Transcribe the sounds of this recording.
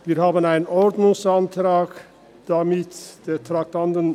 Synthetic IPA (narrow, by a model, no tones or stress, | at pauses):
viːɐhaːbənaɪnənɔɾdnʊŋsantʁaːk | d̥amɪtd̥eːtʁ̥ak̚tʰantən